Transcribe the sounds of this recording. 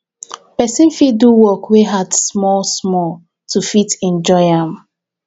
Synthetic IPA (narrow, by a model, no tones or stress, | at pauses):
pɛsĩnfiduwɔkweɦadsmɔlsmɔl | tufitɛ̃nd͡ʒɔɪãm